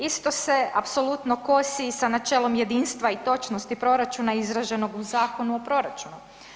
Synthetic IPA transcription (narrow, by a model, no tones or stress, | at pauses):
ist̪o̞se̞apso̞lˠut̪noko̞sisanat͡ʃeːlo̞mje̞d̪iːnst̪ʋait̪o̞t͡ʃnost̪ipɾo̞ɾat͡ʃunaizɾaʒe̞no̞ɡuzaːko̞nuopɾo̞ɾat͡ʃunu